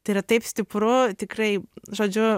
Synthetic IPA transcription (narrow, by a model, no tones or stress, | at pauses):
t̪ɐiɾɐt̪ɐɪpsʲt̪ʲɪpɾʊt̪ʲɪkɾɐɪʒoːd͡ʒʲʊ